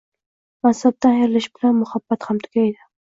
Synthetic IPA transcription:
masab̚d̪aneɾlɪʃbɪlanmʊhab̥ːat̪hamt̪ʰʊ̥ɡʲajd̪ɪ

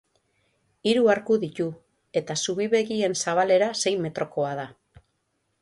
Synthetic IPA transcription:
iɾuaɾkuðit̪u | e̞t̪asuβ̞iβe̞ɣie̞nsaβ̞ale̞ɾase̞jme̞t̪ɾo̞ko̞aða

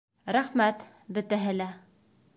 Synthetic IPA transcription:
ɾæχmæt̪ | bɘ̆t̪æɦɘ̆læ

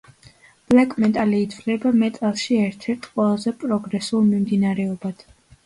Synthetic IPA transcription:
b̥lakʼmɛt̪ʼaliːd̪lɛbamɛt̪ʼalˠʃiɛɾt̪ʰɛɾt̪ʰqʼwɛlˠazɛpʼɾɔɡɾɛsulˠmimd̪inaɾɛɔbad̪̥

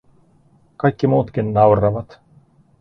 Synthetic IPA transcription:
kɑjkʲːimuːt̪kinːɑwɾɑʋɑt̪

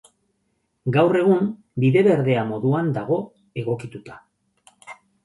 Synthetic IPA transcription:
ɡawre̞ɣ̞um | biðe̞βe̞ɾðe̞amo̞ðuand̪aɣ̞o̞ | e̞ɣo̞kit̪ut̪ḁ

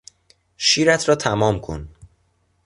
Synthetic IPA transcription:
ʃiːɾæt̪ʰɾɒːt̪ʰæmɒːmkʰo̰n

